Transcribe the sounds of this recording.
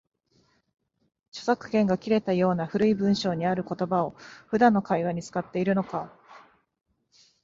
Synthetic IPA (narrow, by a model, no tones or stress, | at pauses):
t͡ɕo̥sakɯ̟̥kẽ̞ŋɡakʲiɾe̞t̪ajo̞ːnaɸɯ̟ɾɯ̟ibɯ̟̃ɰ̃ɕo̞ːɲ̟iaɾɯ̟ko̞t̪o̞bao̞ɸɯ̟d̪ãnːo̞kaiβaɲ̟it͡sɨ̥kat̪ːe̞iɾɯ̟no̞ka